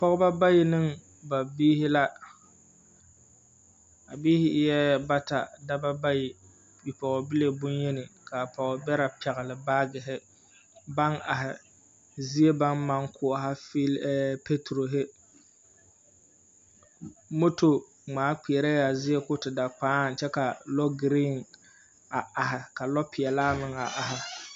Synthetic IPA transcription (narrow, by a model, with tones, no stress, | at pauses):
pɔ˦ɣʊ˦ba˦ba˦jɪ˨nɨ˦ŋ | ba˨biː˦hɪ˦la˦ | a˨biː˦hɪ˦jɛ˦ba˦ta̰˨da˦ba˦ba˦jɪ˨ | bi˨pɔ˨ɣɔ˨bɪ˦le˨bʊ˦njɛ˦nɪ˨kʰa˨pɔ˨ɣɔ˨bɛ˦ɾa˨pɛ˨ɣɪ˨lɪ˨baː˦ɡɪ˨ɦɪ˦ | ba˦ŋa˨ɦɪ˨ | zi˦e˦ba˦nma˦ŋkʰʊ˦˨ɦa˦fi˦lːpe˦tu˨ɾo˨ɦɪ˦ | mo˦to˨ | ŋ͡maː˨˦k͡pi˨ɛ˨ɾɛ˦ja˨zɪ˦e˦kʊ˦tɪ˨da˨k͡paː˦˨nt͡ʃɛ˦ka˨lɔ˦ɡɾi˦ŋ | a˨a˨ɦɪ˨ka˨lɔ˦pʰɪ˨ɛ˨laː˦mɪ˦ŋa̰˨ʔa˨ɦɪ˨